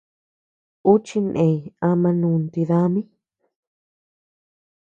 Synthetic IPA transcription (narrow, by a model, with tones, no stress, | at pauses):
u˦t͡ʃi˧nʔẽ˧ja˧mã˧nũ˧nt̪i˧ða˧˦mĩ˦